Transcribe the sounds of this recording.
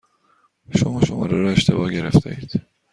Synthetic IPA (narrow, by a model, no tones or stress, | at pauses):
ʃomɒːʃomɒ̰ːɾeɾɒːe̞ʃt̪ʰe̞̰bɒːɟe̞ɾe̞̰ft̪ʰḛiːd̪̥